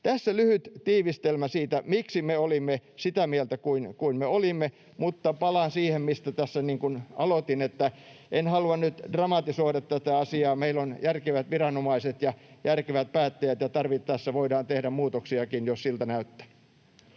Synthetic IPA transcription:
t̪æsːælyhyt̪t̪iːʋist̪elmæsiːt̪æmiksimeolimːesit̪æmielt̪ækuinkuinmeolimːe | mut̪ːɑpɑlɑnsiːhemmist̪æt̪æsːæniːŋkunɑlot̪inet̪ːæ | enhɑluɑnnyt̪d̥rɑmɑt̪isoidɑt̪t̪æt̪æɑsiɑːmeilonjærkeʋæt̪ʋirɑnomɑiset̪jɑjærkeʋæt̪̚pæːt̪ːæjæt̪jɑt̪ɑrʋit̪ːæsːæʋoidɑːnt̪ehdæmmuːt̪oksiɑkinjossilt̪ænæyt̪ːæ̥

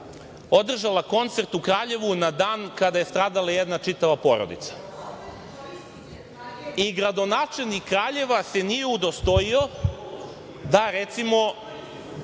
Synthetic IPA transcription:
o̞d̪r̩ʒalako̞nt̪se̞ɾt̪ukɾaːʎe̞ʋunad̪aːnkad̪aje̞st̪ɾaːd̪alajed̪nat͡ʂit̪aʋapo̞ɾo̰d̪ḭt̪sḁ | iɡɾad̪o̞naːt͡ʃe̞lʲnikːɾaːʎe̞ʋase̞nijeud̪o̞st̪o̞io̞ | d̪aɾet̪simo̞

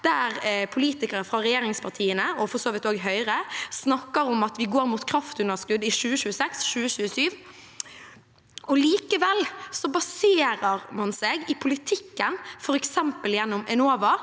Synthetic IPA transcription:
d̪̥æʁpʰʊliːt̪ɪkəɾəfɾɑʁɛjeːɾɪŋspʰɑʁt̪ʰiːənəɔfɔsoːʋɪt̪oːɡɦœʏɾəsnɑkːəɾɔmɑt̪ʋɪɡoːɾmuːt̪kʰɾɑft̪ʉnəskʉd̪ɪʃʉːəɕʉːəsɛksʃʉːəɕʉːəsyːʋ | ɔliːkəʋɛlsɔbɑseːɾəɾmɑnsɛɡɪpʰʊlɪt̪ʰɪkːənfɔɾɛksɛmpəljɛnːɔmɛnoːʋɑ

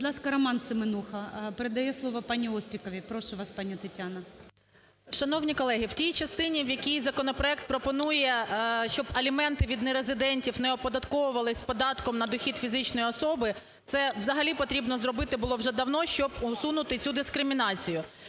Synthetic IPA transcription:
bɔd̪lˠɑskɐɾɔmɑnsɪmɪnuxɐpeɾed̪ɐjɛslˠɔʋɔpɑnʲiɔsʲt̪ɾʲɪkɔʋʲipɾɔʃʊʋɑspɑnʲit̪ɐtʲanɐ | ʃɐnɔwnʲikɔlˠɛɦiwtʲijt͡ʃɐst̪ɪnʲiwjɐkʲijzɐkɔnɔpɾɔɛk̚t̪̚pɾɔpɔnujɛʃt͡ʃɔbɐlʲimɛnt̪ɪʋʲid̪nɪɾezɪd̪ɛnʲtʲiwnɛɔpɔd̪ɐt̪kɔʋʊʋɐlˠɪsʲpɔd̪ɑt̪kɔmnɐd̪ɔxʲid̪fʲizɪt͡ʃnɔjiɔsɔbɪ | t̪sɛwzɐɦɐlʲipɔt̪ɾʲibnɔzrɔbɪt̪ɪbʊlˠɔwʒɛd̪ɐwnɔʃt͡ʃɔbʊsunʊt̪ɪt͡sʲud̪ɪskɾɪmʲinɑt͡sʲijʊ

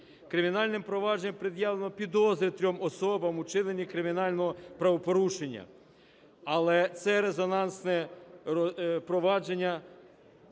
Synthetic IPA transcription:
kɾɪmʲinɑlʲnɪmpɾɔʋɑd͡ʒenʲɛmpɾed̪jaʋlˠenɔpʲid̪ɔzɾʲɪt̪ɾʲɔmɔsɔbɐmʊt͡ʃɪnenʲːikɾɪmʲinɑlʲnɔɦɔpɾɐʋɔpɔɾuʃenʲːɐ̰ | ɐlˠɛt̪sɛɾezɔnɑnsnɛɔpɾɔʋɑd͡ʒenʲːɐ

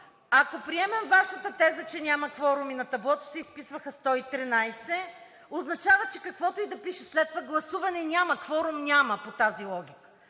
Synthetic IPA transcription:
ɐkopɾiɛmɛmvaʃət̪ət̪ɛzət͡ʃɛnʲamɐxvɔɾʊminɐt̪ɐblˠɔt̪ʊ̥sɛispisvɐxəst̪ɔit̪ɾinajsɛ | oznɐt͡ʃavət͡ʃɛkɐkvɔt̪oid̪ɐpiʃɛslɛt̪ːovaɡlˠɐsuvɐnɛnʲamɐxvɔɾʊmnʲaməpot̪azilˠɔɡʲikə̥

